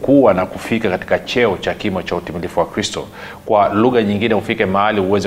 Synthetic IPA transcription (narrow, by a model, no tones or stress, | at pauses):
kuwanakufikakati̥kat͡ʃɛɔt͡ʃakimɔt͡ʃautimilifuwakɾistɔ̰ | kwaluɣaɲiŋɡinɛhufikɛmaalihuwɛzɛ